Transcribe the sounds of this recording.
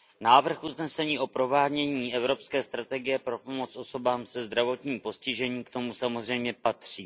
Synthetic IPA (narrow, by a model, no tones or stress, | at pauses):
naːvr̩xʔuznɛsɛɲiːʔo̞pɾo̞vaːɲɛɲiːʔɛvɾo̞pskɛːst̪ɾat̪ɛɡɪjɛpɾo̞po̞mo̞t͡sʔo̞so̞baːmsɛzd̪ɾavo̞t̪ɲiːmpo̞scɪʒɛɲiːkt̪o̞musamozr̝ɛjmɲɛpat̪r̝̥iː